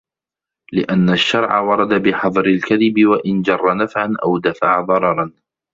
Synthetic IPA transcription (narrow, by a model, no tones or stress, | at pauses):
lɪʔanːaʃːɑɾˤʕawɑɾˤɑd̪abɪħɑðˤɾɪlkaðɪbɪwaʔɪnd͡ʒɑrˤːɑnafʕanʔawd̪afaʕaðˤɑɾˤɑɾˤɑn